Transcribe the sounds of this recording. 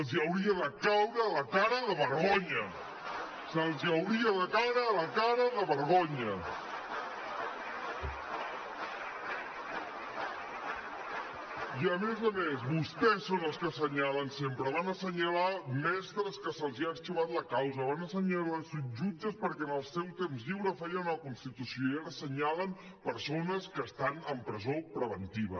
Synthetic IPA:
əlˠziəwɾiəðəkawɾəːləkaɾəðəβəɾɣoɲə | səlˠziəwɾiəðəkawɾəːləkaɾəðəβəɾɣoɲə | iəmezəmezβust̪ɛsːonəlˠskəsəɲalənsempɾəβanəsəɲəlamɛst̪ɾəskəsəlˠziast̪uβat̪ləkawzəβanəsəɲalasuʒud͡ʒəspəɾkɛənəlˠsɛwst̪emzʎiwɾəfɛjənləkunst̪it̪usjioiaɾəsəɲaləm | pəɾsonəskəːst̪anəmpɾəzopɾəβənt̪iβ̞ə

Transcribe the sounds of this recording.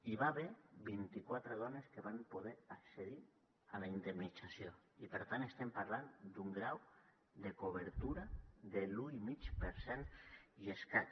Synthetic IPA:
iβaβeɾβint̪ikwat̪ɾeðɔneskeβampoð̞eɾakseðiɾ | alaind̪emnit͡sasjoipeɾt̪anest̪empaɾland̪uŋɡɾaw | d̪ekoβ̞eɾt̪uɾaðeluimit͡ʃpeɾsɛnieska

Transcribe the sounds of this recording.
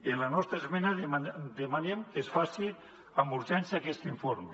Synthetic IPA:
enlanɔst̪ɾaezmɛnad̪emanemkesfasi | amuɾʒanseakɛst̪iɱfoɾme

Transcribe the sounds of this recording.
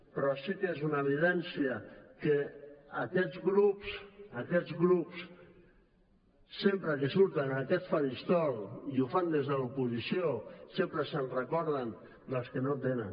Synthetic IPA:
pɾɔsikezunəeβiðɛnsiəkeː | kɛzɣlupsakɛd͡zɣlups | sempɾəkesuɾt̪ənakɛsfaɾist̪ɔlˠiufand̪ezðəlupuzisijosempɾəsənrəkɔɾð̞ən | d̪əlˠskenot̪enən

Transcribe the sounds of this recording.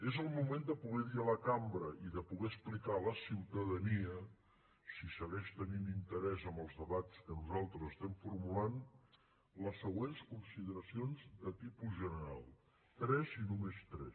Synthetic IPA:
ezəlˠmumend̪əpuɣɛðiələkambɾəʔiðəpuɣɛəsplikaləsiwt̪əðəniə | sisəɣɛʃt̪əninint̪əɾɛzəmbəlˠzðəβat͡skənuzalˠt̪ɾəzəst̪ɛmfuɾmulan | ləsːəɣwenskunsiðəɾəsionzðət̪ipuzʒənəɾa̰lˠ | t̪ɾɛzinumest̪ɾɛ̰

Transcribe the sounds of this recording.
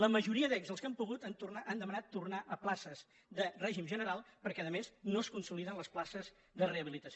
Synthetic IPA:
ləməʒuɾiəðɛkzəlˠskəmpuɣut̪ənt̪uraʔand̪əmənat̪ːurnaʔəplasəz | d̪ərɛʒimʒənəɾalˠpəɾkɛəðəmeznoəskunsuliðənləsplasəz | ðəreəβilit̪əs

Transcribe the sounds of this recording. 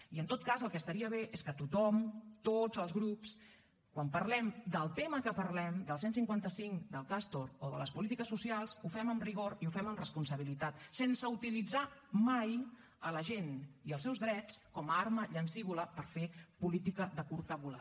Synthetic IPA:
iənt̪ot̪̚kazəlˠkɛəst̪əɾiəβ̞eʔeskət̪ut̪ɔmt̪od͡zəlˠzɣɾups | kwampəɾlɛmd̪əlˠt̪eməkəpəɾlɛmd̪əlˠs̬ensiŋkwant̪əsiŋkd̪əlˠkast̪oɾoðələspulit̪ikəsːusialˠsufɛməmriɣ̞oɾiufɛməmrəspunsəβ̞ilit̪at̪sensəut̪ilid͡zamaj | ələʒeniəlˠsɛwzðɾɛt͡skɔmarməʎənsiβuləpəɾfepulit̪ikəðəkuɾt̪əβula̰

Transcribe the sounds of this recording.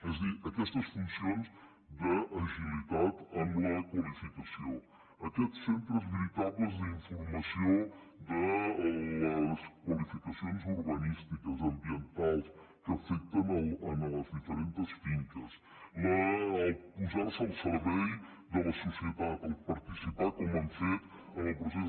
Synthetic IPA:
ɛzðiəkɛst̪əsfunsionz | d̪əɐʒilit̪at̪əmləkwəlifikəsio | əkɛtssent̪ɾəzβiɾit̪aβləzðəiɱfuɾmɐsio | d̪ələskwəlifikəsionzuɾβənist̪ikəzəmbiənt̪alˠs | kəːfɛk̚t̪ənələnləzðifəɾent̪əsfiŋkəs | lə | puzaɾsəəlˠsəɾβɛj | d̪ələsusiət̪at̪əlˠpəɾt̪isipakɔmanfet̪ | ənlˠpɾus̬ɛ

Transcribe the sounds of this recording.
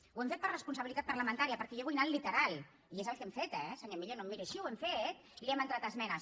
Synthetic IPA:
wɛmfet̪̚pəɾrəspunsəɐβilit̪at̪̚pəɾləmənt̪aɾiəpəɾkɛjeɣwajnallːit̪əɾalˠ | iezəlˠkemfet̪ɛsəɲomiʎonomːiɾəʃiwɛmfet̪ | liɛmənt̪ɾat̪əzmɛnəs

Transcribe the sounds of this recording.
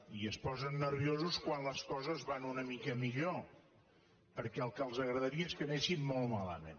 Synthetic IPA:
iəspɔzənːəɾβ̞iozuskwanləskɔzəzβanunəmikəmiʎo | pəɾkɛəlˠkəlˠzəɣɾəðəɾiəeskəneʃimːolˠmalə̰mḛn

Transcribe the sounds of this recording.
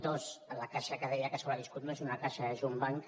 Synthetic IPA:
t̪osəlakaʃakəðɛjəkəsoβɾaβiskut̪mezunakaʃaðəʒumbaŋk

